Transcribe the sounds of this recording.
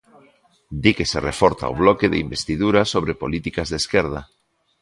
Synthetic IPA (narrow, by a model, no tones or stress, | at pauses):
d̪ikeserefoɾt̪a̰o̰β̞lokeðḛimbest̪iðuɾasoβɾepolit̪ikazðeskeɾð̞a